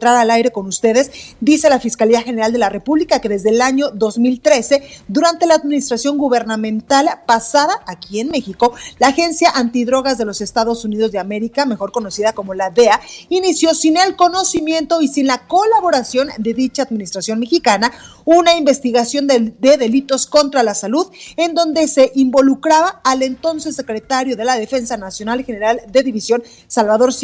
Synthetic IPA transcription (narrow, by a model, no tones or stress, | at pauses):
t̪ɾaɾalajɾe̞ko̞nust̪e̞ðe̞sd̪ise̞lafiskaliaxe̞ne̞ɾald̪e̞lare̞puβlikake̞ðe̞zðe̞laɲo̞ðo̞zmilt̪ɾe̞se̞ðuɾant̪e̞laːðminist̪ɾasjo̞ŋɡuβe̞ɾnamẽ̞nt̪alpasaðaʔakienme̞xiko̞laːxe̞nsjaʔant̪iðɾo̞ɣazðe̞lo̞se̞st̪aðo̞sunið̞o̞zðe̞ame̞ɾikame̞xo̞ɾko̞no̞siðako̞mo̞laðe̞ainisjo̞sine̞lko̞no̞simje̞nt̪o̞isinlako̞laβo̞ɾasjo̞nd̪e̞ðit͡ʃaːðminist̪ɾasjo̞nme̞xikana | unaimbe̞st̪iɣasjo̞nd̪e̞ðe̞lit̪o̞sko̞nt̪ɾalasaluðend̪o̞nd̪e̞se̞ʔimbo̞lukɾaβaːle̞nt̪o̞nsesːe̞kɾe̞t̪aɾjo̞ðe̞laðe̞fe̞nsanasjo̞nalxe̞ne̞ɾald̪e̞ðiβisjo̞n | salβaðo̞ɾs